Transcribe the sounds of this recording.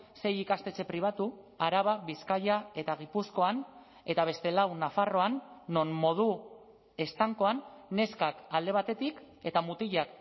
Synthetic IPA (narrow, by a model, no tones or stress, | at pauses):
se̞jikast̪e̞t͡se̞pɾiβ̞at̪u | aɾaβaβiskaʎae̞t̪aɣ̞ipusko̞an | e̞t̪aβ̞e̞st̪e̞lawnafaro̞anːo̞nmo̞ð̞u | e̞st̪aŋko̞anːe̞skakald̪e̞β̞at̪e̞t̪ik | e̞t̪amut̪iʎak